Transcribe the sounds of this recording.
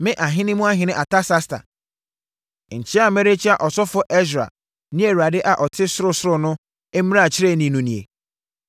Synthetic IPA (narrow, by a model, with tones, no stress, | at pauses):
mɪ̃˦ʔa˨ɦɪ̃˦nɪ̃˦mũ˦a˦ɦɪ̃˨nɪ̃˦ʔa˨ta˦sa˦sta̰˨ | ɲ̩˨t͡ɕʰɪ˦a˨me˦ɾe˦t͡ɕi˦a˨ʔɔ˨sɔ˦fʊ˦ʔe˦s̬ɾa̰˨ | nɪ̃˦e˨ɾu˨a˨dɪ˦ʔa˨ʔɔ˨tʰɪ˦sʊ˦ɾʊ˦sʊ˦ɾʊ˨nʊ̃˦ | e˦m˦ɾa˦a˨t͡ɕʰɪ˦ɾe˦˨nĩ˨nũ˨nĩ˨ḛ˨